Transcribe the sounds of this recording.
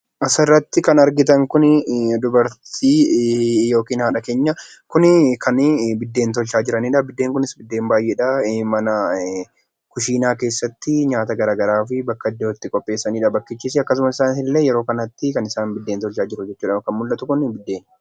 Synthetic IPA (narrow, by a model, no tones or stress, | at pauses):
ʔɐsɐrːɐt̪ːɪkɐnɐɾɡɪt̪ɐŋkʊnd̪ʊbɐɾt̪ʰiːjo̞ːkiːnhaːᶑɐke̞ːɲːɐ | kʊnkʰɐnbɪd̪ːe̞ːnt̪̬ɔlʃaːd͡ʒɪɾɐniːᶑɐbɪd̪ːe̞ːŋkʊnɪsbɪd̪ːe̞ːmbaːjʔɛᶑɐmɐnɐ | kʊʃiːnaːke̞ːsːɐt̪ːɪɲaːt̪ɐɡɐɾaːɡɐɾaːfɪbɐkːɐɪd̪ːeɔt̪ːɪkʼɔpʼːe̞ːsːɐniːᶑɐbɐkːɪt͡ʃːiːs̬ɪɐkːɐsʊmɐsɪsaːnhɪlːeːjɛɾo̞ːkɐnɐt̪ːɪkɐnɪsaːnbɪd̪ːeːnt̪ɔlʃaːd͡ʒɪɾʊd͡ʒɛt͡ʃːuːᶑɐɐkɐnmʊlʔɐt̪ʊkʊnbɪd̪ːe̞ːn